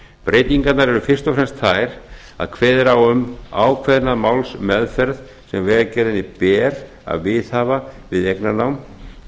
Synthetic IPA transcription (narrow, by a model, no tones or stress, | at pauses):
pɾeːjt̪iŋkat̪naɾɛɾʏfɪr̥st̪ɔfɾɛnst̪θaːjɾ | a̰ðkʰvɛːðɾawʏmaːwkʰvɛðnaðmaːwlsmɛðfɛɾð | sɛmvɛːcɛɾðɪnːɪpɛːɾ | a̰ðvɪðhaːvavɪðejknanawm